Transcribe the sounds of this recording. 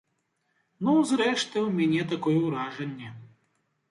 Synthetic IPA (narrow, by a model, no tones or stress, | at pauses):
nuzɾɛʂt̪ɨwmʲanʲɛt̪akɔjɛwɾaʐɐnʲːɛ